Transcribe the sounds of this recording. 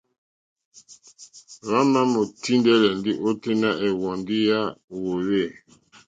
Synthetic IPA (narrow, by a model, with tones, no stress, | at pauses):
ɣa˦ma˦mo˨ti˦ndɛ˦lɛ˨ndi˦ʔo˦te˦na˦ʔɛ˨wɔ˨ndi˦ja˦wo˨we˦˨